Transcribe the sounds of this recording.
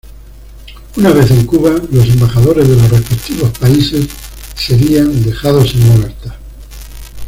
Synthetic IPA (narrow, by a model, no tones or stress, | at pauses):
unaβ̞e̞θẽ̞ŋkuβalo̞sẽ̞mbaxaðo̞ɾe̞zðe̞lo̞srespe̞kt̪iβo̞spaise̞sː | e̞ɾiand̪e̞xaðo̞seŋoβe̞ɾt̪ḁ